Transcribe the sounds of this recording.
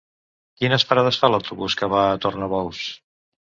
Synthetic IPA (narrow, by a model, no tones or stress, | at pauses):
kinəspəɾaðəsfaləwt̪uβuskəβaət̪ornəβɔws